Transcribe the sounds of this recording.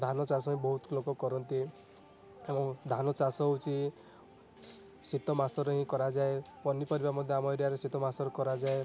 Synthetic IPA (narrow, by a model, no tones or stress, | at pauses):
d̪ʱanɔt͡ʃasɔɦĩbɔɦut̪lokɔkɔɾɔnt̪i | emɔ̃d̪ʱanɔt͡ʃasɔut͡ʃʰi | sit̪ɔmasɔɾɔɦĩkɔɾad͡ʒae | pɔnipɔɾibamɔd̪ʱjeamɔjɾijaɾesit̪ɔmasɔɾɔkɔɾad͡ʒae